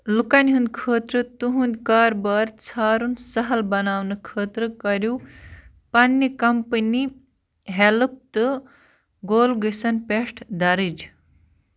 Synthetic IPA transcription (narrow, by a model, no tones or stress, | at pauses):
lukɐnʲɦund̪ʲkʰəːt̪ɾɨt̪uɦund̪ʲkaːɾbaːɾt͡sʰaːɾunsɐɦɐlbɐnaːwnɨkʰəːt̪ɾɨkɐɾju | pɐnːikɐmpəni | ɦelɨp̚t̪ɨ | ɡoːlɡəsɐnpeʂʈʰd̪ɐɾɨd͡ʒ